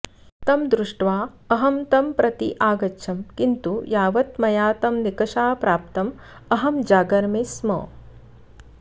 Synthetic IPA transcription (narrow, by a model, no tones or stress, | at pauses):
t̪ɐmd̪ɾuʂʈʋaː | ɐɦɐmt̪ɐmpɾʔɐt̪iʔaːɡɐtːʃʰɐmkint̪ujaːʋɐt̪mɐjaːt̪ɐmnikɐʂaːpɾaːpt̪ɐm | ɐɦɐmd͡ʒaːɡɐɾmeːsmɐ̰ː